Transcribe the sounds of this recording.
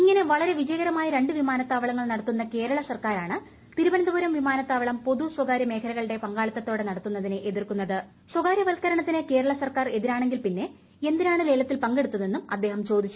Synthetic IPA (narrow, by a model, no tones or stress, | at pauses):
iŋːɐne̞ʋɐɭɐɾe̞ʋid͡ʑɐjɐɣɐɾɐmaːjɐɾe̞ɳɖɨʋimaːnɐt̪ːaːʋɐɭɐŋːɐɭnɐɽɐt̪ːunːɐke̞ːɾɐɭɐsɐrkaːɾaːɳɨ | t̪iɾubɐnɐd̪ɐbuːɾɐmʋimaːnɐt̪ːaːʋɐɭɐmpo̞ðuswɐɡaːɾjɐme̞ːkʰɐlɐɣɐɭiɽe̞pɐŋɡaːɭɐt̪ːɐt̪ːo̞ːɽe̞nɐɽɐt̪ːunːɐðinɨʔeðirkunːɐðɨ | swɐɡaːɾjɐʋɐlkɐɾɐɳɐt̪ːineke̞ːɾɐɭɐsɐrkaːre̞ðiɾaːɳe̞ŋɡilpinːe̞ | e̞nd̪inaːɳɨle̞ːlɐt̪ːilpɐŋɡe̞ɽut̪ːunːenːumɐ̰d̪ːe̞ːɦɐmt͡ɕo̞ːd̪it͡ɕːu